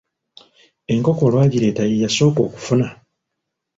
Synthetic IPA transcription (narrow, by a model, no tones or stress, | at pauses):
e̞ŋko̞ko̞lwaːɟiɾe̞ːtajijaso̞ːko̞̰ːku̥funa